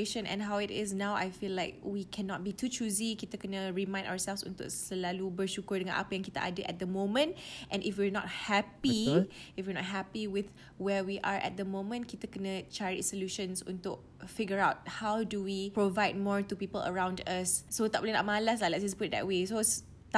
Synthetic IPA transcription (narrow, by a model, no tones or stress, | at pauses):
eʃə̃nɛ̰̃nɦawɪtɪ̰snãwa̰jfilaɪk̚wikʰɛ̃nɔt̚bitʰut͡ʃuzikit̪əkɛnəɹimãɪ̃nda̰əsɛlfsṵ̃nt̪ʊ̰ksəlalubəʃukʊɹdəŋã̰nʔa̰pəjãŋkit̪əʔa̰dəʔɛ̰t̚d̪əmõmə̃ntʔɛ̃nɪfwiɹnɔ̰t̚hɛpiɪfwiənɔ̰t̚ɦɛpiwɪθ | wɛwiʔaɹʔɛ̰t̚d̪əmõmə̃nkit̪əkɛnət͡ʃɛɹit͡ʃsoljuʃə̃nsṵ̃nt̪ʊk̚fiɡjəɹawt̚hawduwipɹovaɪd̚mɔɹtupipələ̰ɹãw̃ndasːot̪ɔp̚linɔ̰ʔ̚malas̬lalɛt̚d͡ʒasput̚d̪ɛ̰ʔ̚wesos | t